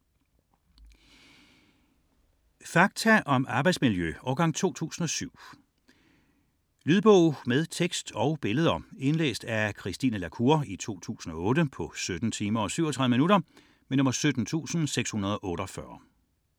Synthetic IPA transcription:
fɑ̈ɡ̥̚t͡sʰæʔɒ̽mɑ̈b̥ɑ̈ɪd̥smiljøɒʊɡ̥ɑ̈ŋ̰t͡sʰo̝̰ːt͡sʰṵːsn̩ɒ̽syʊ̰ | lyːðˠb̥ɔʊ̰með̞ˠt͡sʰeɡ̥sd̥ɒ̽ʊb̥e̝ləð̞ˠɐe̝nlḛːsd̥ækʰʁisd̥iːnəlækʰuɐit͡sʰo̝̰ːt͡sʰṵːsn̩ɒ̽ɔ̽ːɾəpʰɒ̽sød̥n̩t͡sʰiːmɐɒ̽syʊɒt͡sʰʁɑ̈ðˠəminuɾɐ | menɔ̽mɐsød̥n̩t͡sʰṵːsn̩seɡ̥shunɐð̞ˠɒ̽ʔɔ̽ːɾ̥ɒfɶɐ

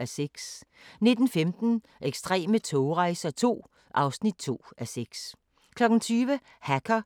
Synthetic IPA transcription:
æseɡ̥sne̝d̥n̩femd̥n̩ | ʔeɡ̥sd̥ʁɛ̰ːmət͡sʰɔʊʁɑ̈ɪsɐt͡sʰo̝̰ː | ʔɑ̈ʊsnid̥̚t͡sʰo̝̰ːʔæseɡ̥s | kʰlɒ̽ɡ̥n̩t͡sʰyːʋə | hækʰɐ

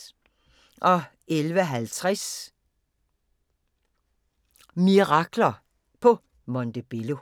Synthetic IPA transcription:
ʔɒ̽ | elʋəɦælt͡sʰʁɛs | miʁɑ̈ɡ̥lɐ | pʰɒ̽ | mɒnd̥əb̥elo

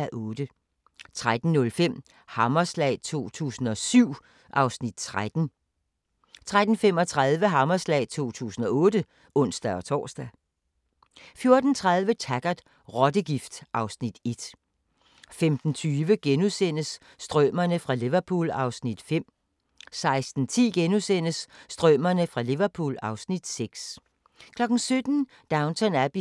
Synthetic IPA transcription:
æʔɔ̽ːd̥ə | t͡sʰʁad̥n̩nɔ̽lfem̰ | hɑ̈mɐslɛ̰ɪt͡sʰo̝̰ːt͡sʰṵːsn̩ɒ̽syʊ̰ | ʔɑ̈ʊsnid̥̚t͡sʰʁad̥n̩ | t͡sʰʁad̥n̩fem̰ɒ̽t͡sʰʁaðˠʋəɦɑ̈mɐslɛ̰ɪt͡sʰo̝̰ːt͡sʰṵːsn̩ɒ̽ɔ̽ːdə | ɔ̽n̰sd̥æɒ̽t͡sʰɒ̰ːsd̥æ | fjo̝ɐd̥n̩t͡sʰʁað̞ˠʋət͡sʰæɡ̥ɐd̥ | ʁɒ̽d̥əɡ̥ifd̥ʔɑ̈ʊsnid̥e̝d̥ | femd̥n̩t͡sʰyːʋəɡ̥enusen̰əsː | d̥ʁœmɐnəfʁɑ̈liʋɐpʰṵːlɑ̈ʊsnid̥fem̰ | sɑ̈ɪsd̥n̩t͡sʰḭːɡ̥enusen̰əsːd̥ʁœmɐnəfʁɑ̈liʋɐpʰṵːlɑ̈ʊsnid̥seɡ̥s | kʰlɒ̽ɡ̥n̩sød̥n̩ | d̥ɑ̈ʊnt͡sʰɒnæb̥i

